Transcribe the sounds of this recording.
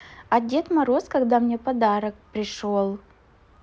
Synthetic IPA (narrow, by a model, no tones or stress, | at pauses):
ɐdʲe̞t̪mɐɾo̞skɐɡd̪amnʲe̞pɐd̪aɾək̚pɾʲɪʂo̞lˠ